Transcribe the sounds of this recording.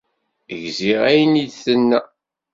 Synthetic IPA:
əʝziʁæjənid̪θənːæ

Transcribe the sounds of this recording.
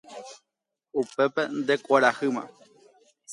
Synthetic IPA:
upe̞pe̞nd̪e̞kʷaɾahɨmã̰

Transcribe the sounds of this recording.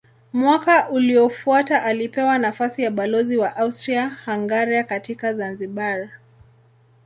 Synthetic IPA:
mwakaʔuliɔfuataʔalipɛwanafasijaɓalɔziwaʔaustɾiahaŋɡaɾiakatikazanziɓaɾa

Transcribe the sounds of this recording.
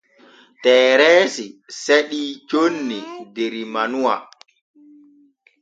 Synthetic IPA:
tɛːɾɛːsiseɗit͡ʃonːideɾimanuwa

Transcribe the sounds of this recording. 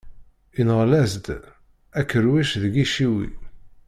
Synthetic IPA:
inʁlæzd̪ | ækːəɾwæʃðəɡiʃiwḭ

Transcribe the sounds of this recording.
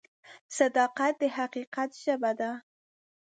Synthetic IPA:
sad̪ɑqat̪̚d̪əhaqiqat̪ʒ̥əbad̪a

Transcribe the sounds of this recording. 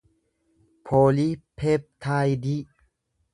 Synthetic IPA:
pʰoːlipʰep̚t̪ʰaːjdi

